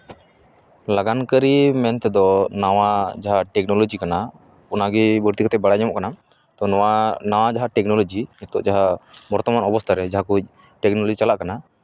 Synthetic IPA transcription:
laɡankəɾimɛnt̪ɛd̪ɔnawad͡ʒaɦaʈɛk̚nɔlɔd͡ʒikana | ɔnaɡibəɾt̪ikɔt̪ɛbaɽajɲamɔʔkana | t̪ɔnɔanawad͡ʒaɦaʈɛk̚nɔlɔd͡ʒiɲɛt̪ɔʔd͡ʒaɦabɔɾt̪ɔmanɔbɔst̪ʰaɾɛd͡ʒaɦakuc̚ | ʈɛk̚nɔlɔd͡ʒit͡ʃalaʔkana

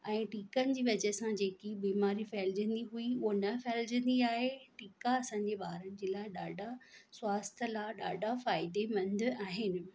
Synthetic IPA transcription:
ɛ̃ːʈiːkənɪ̆d͡ʑiːʋɐd͡ʑəsãd͡ʑeːkibiːmaːɾifɛld͡ʑə̃nd̪iɦuiuɦonɐfɛɦld͡ʑə̃nd̪iaːɦeʈiːkaɐsãɲd͡ʑeɓaːɾənɪ̆d͡ʑeːlaːɪɗaːɖʱaswaːst̪ʰəlaːɗa̰ːɖʱafaːɪd̪eʋɐ̃nd̪ʱaːɦɪnɪ̆

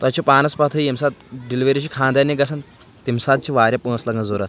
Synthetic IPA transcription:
t̪at͡ɕopaːnɐspat̪ʰəiemsat̪ɖilʋeɾit͡ɕiːkʰãːnd̪janiɡɐsan | t̪imsat̪̚t͡ɕiʋaːɾʲjapunəslaɡə̃d͡zoɾat̪

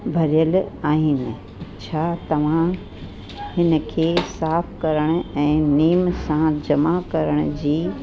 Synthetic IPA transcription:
bʱɐɾijəlaːɦɪnɪ̆ | t͡ɕʰaːt̪ɐʋ̤ã | hɪnə̆kʰeːsaːfkɐɾəɽ̃ʊ̆ɛ̃ːniːmsãd͡ʑɐmakɐɾəɽ̃ʊ̆d͡ʑiː

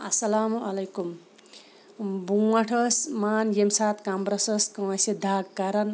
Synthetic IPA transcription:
ɐsɐlaːmuɐlejkum | buaʈʰʌsmaːnjemsat̪kambɾʌsʌskʌ̃wʌsed̪ʱaɡkaɾɐn

